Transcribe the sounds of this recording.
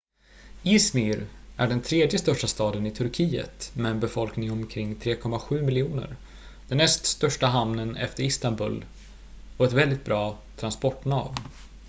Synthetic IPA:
ɪsmiɾʔæ̰ɖɛnt̪ʰɾeːd̪jəst̪œʂʈast̪ɑːd̪ənɪt̪ʰɵɾkʰiːə̰t̪mɛːnbɛfɔlknɪŋɔmkʰɾɪŋːt̪ʰɾeːkʰɔmːaɧʉ̟ːmɪljɪuːnə̰ɾ | d̪̥ɛnːɛst̪st̪œʂʈaɦamnənɛ̰ft̪əɾɪst̪anbɵ̰ːl | ɔɛt̪vɛld̪ɪt̪̚bɾɑːt̪ʰɾanspɔʈːnɑ̰ːv

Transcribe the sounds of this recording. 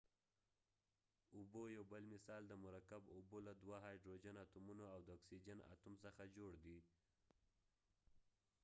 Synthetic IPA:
ʊbojawbəlmɪsɑld̪əmʊɾakabʊbolad̪waɦɑjɖɾod͡ʒanat̪umunoawd̪əɔksid͡ʒana̰t̪umsəxad͡ʒoɽd̪i

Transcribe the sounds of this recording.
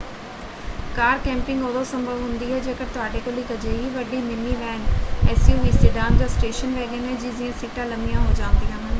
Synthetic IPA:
kaːɾkɛ̃ːmpɪ̃ŋɡoːd̪oːsəmbʱəʋɦʊ̃nd̪iːɦɛːd͡ʒeːkət̪ʊaːɖeːkoliːkəd͡ʒeːɦiːʋəɖiːnɪmiːʋɛːnɛːsjuːʋiːsɪːɖaːnd̪asʈeːʃənʋɛːɡenɦɛːd͡ʒiːd͡ʒɪjãːsiːʈãːləmijãːɦoːd͡ʒãːnd̪ijãːɦən

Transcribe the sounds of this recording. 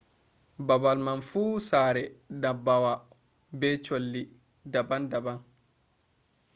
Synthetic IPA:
babalmanfuːsaːɾɛdabawa | bɛt͡ʃolːi | dabandaban

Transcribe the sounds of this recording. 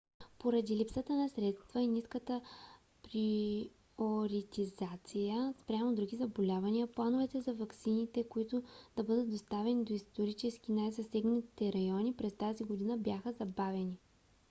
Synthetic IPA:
poɾɐd̪ilipsət̪ənɐsɾɛt̪st̪vəiniskət̪ə | pɾi | oɾit̪izat̪sijəspɾʲamod̪ɾuɡʲizɐbolʲavɐniəplˠanovɛt̪ɛzɐvɐksinit̪ɛkoit̪ʊd̪̥ɐbɤd̪ət̪̚d̪ost̪avɛnid̪oist̪oɾit͡ʃɛsk̟ʲinajzɐsɛɡnəit̪ɛɾɐjɔnipɾɛst̪aziɡod̪inəbʲjaxəzɐbavɛni

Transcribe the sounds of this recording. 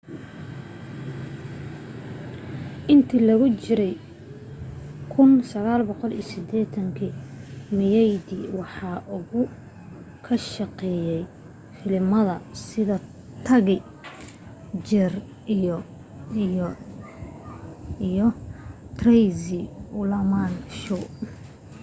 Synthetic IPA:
ʔɪnt̪ʰiːlɐɣʊt͡ʃɪɾɛj | kʰʊnsɐɣaːlbɔqɔlḭjsɪd̪ɛːt̪ʰɐŋkʰimɪjɛjd̪iwɑħɑːʔʊɣʊ | kʰɐʃɑqɛːjɛj | fɪlɪmɐðɐsɪðɐ | t̪ʰɐɣɛ | d͡ʒɛr | jɔt̪rɛjzɪʊlɐmanʃu

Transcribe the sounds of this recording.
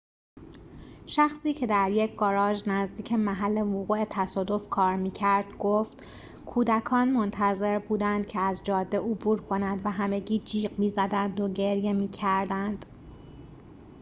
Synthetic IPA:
ʃæxsiːcʰe̞d̪æɾje̞cʰɡɒːɾɒːʒnæzd̪iːcʰemæɦælːe̞voɣuːe̞t̪ʰæsɒːd̪o̞fkʰɒːɾmiːcʰæɾd̪̥ɡoft̪ | kʰuːd̪ækʰɒːnmo̞nt̪ʰæze̞ɾbuːd̪ænd̪̥cʰeæzd͡ʒɒːd̪ːe̞ʔobuːɾkʰo̞nænd̪væɦæme̞ɟiːd͡ʒiːqmiːzæd̪ænd̪o̞ɟe̞ɾje̞miːcʰæɾd̪ænd̪̥

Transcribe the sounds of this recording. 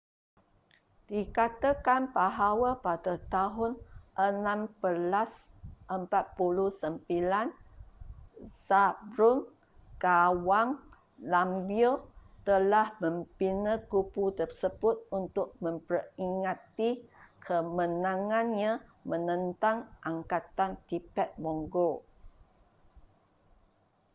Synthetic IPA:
d̥ikat̪akanbaɦawapadat̪aɦʊnʔənãmbəlasʔəmpat̪̚puluhsəmpilan | sabɾʊn | kawaŋ | lambiot̪əlahmə̃mpinəkuput̪ərsəbʊt̪̚unt̪ʊk̚mə̃mpəriŋãt̪ikʰəmə̃nãŋãnɲãmə̃nə̃nt̪aŋʔaŋkat̪ant̪ipɛt̪̚mɔŋɡo

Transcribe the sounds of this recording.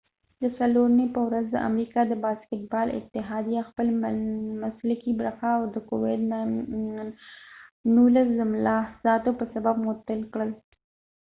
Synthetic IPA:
d̪əsaloɾnepəwɾazd̪ə̰ʔa̰mɾikɑd̪əbɑskɪʈ̪̚bɑlɪ̰t̪ːɪɦɑd̪ijaxpəlmaslakibɾəxaːwd̪əkowɪd̪n | nulaszɪmlɑz̥ɑt̪opəsabab̚mʊt̪əlkɽəl

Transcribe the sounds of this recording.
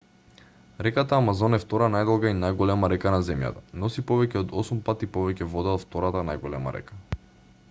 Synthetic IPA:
ɾɛkat̪aːmazɔnɛft̪ɔɾanajd̪ɔlˠɡainajɡɔlɛmaɾɛkanazɛmja̰t̪ḁnɔsipɔvɛcɛɔd̪ɔsumpat̪ipɔvɛcɛvɔd̪aɔft̪ɔɾat̪anajɡɔlɛma̰ɾɛ̰kḁ

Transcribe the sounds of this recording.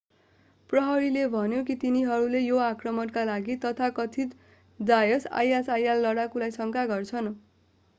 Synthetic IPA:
prʌɦʌɾilebʱʌnjok̬it̪iniɦʌɾulejoakrʌmʌnkalaɡit̪ʌt̪ʰakʌt̪ʰi | d͡zajʌsa̰jasajalːʌɽakulajsʌŋkaɡʌrt͡sʰʌn

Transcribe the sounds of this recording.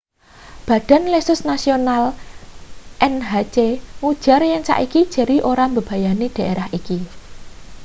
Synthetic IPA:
b̥ä̤d̥a̤nlesʊsnasional | ʔɛnɦat͡ʃeŋud̥ʒ̥a̤rjaŋsa̰ʔiki̥ʒ̥ə̤ɾiʔoɾambə̤b̥a̤janed̥ä̤ʔeɾahiki

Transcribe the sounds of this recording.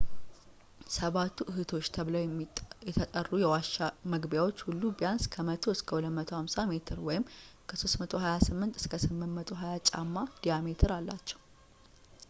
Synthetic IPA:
səβat̪ʰːuʔɨhɨt̪ʰo̞t͡ʃːt̪ʰəβləwjjɛt̪ʰət̪ʼərːujɛwaʃaməɡbjawo̞t͡ʃːhulːubijanskʰəmət̪ʰo̞ɨskʰəhulət̪mət̪ʰo̞hamsame̞t̪ʰɨɾwɔjɪmkʰəso̞stmət̪ʰo̞ɦajasɨmːɨnt̪ɨ̥skʰəsɨmːɨnmət̪ʰo̞ɦajat͡ʃʼa̰mːad̪̥ijamet̪ʰɨɾalːat͡ʃːɛ̥w

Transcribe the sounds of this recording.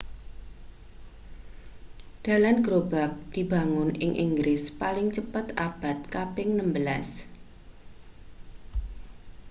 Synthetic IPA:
d̪̥a̤lanɡ̥ɾob̥ak̚d̪̥i̤ba̤ŋʊnɪ̰ŋʔḭŋɡɾɪspalɪŋt͡ʃəpət̪ab̥a̤t̪̚kapɪŋnəmbəlas

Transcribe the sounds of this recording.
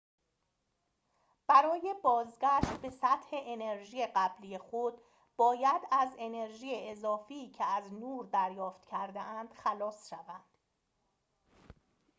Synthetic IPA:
b̥æɾɒːje̞bɒːzɟæʃt̪̚be̞sæt̪he̞ʔeneɾʒiːeɢæbliːje̞xod̪ | b̥ɒːjæd̪æze̞ne̞ɾʒiːjeezɒːfiːcʰeæznuːɾd̪æɾjɒːft̪cʰæɾd̪eʔænd̪̥xælɒːsʃævænd̪̥

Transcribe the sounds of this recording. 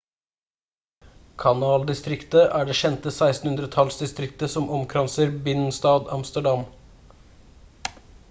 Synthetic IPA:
kʰɑnɑːld̪ɪst̪ɾɪkt̪əʔæːɖeːʃɛnt̪əsæɪst̪n̩hʉnd̪ɾət̪ʰɑlsd̪ɪst̪ɾɪkt̪əsɔmɔmkʰɾɑnsəɾbɪnn̩st̪ɑːd̪ɑ̰mst̪əɖɑm

